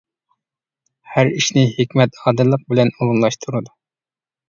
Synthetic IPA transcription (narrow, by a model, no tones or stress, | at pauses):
hæɾiʃnɪhekʲmɛt̪ɑːd̪ɨlˠːəq̚bɪlɛnulˠumlˠɑʃt̪ʰuɾɨd̪u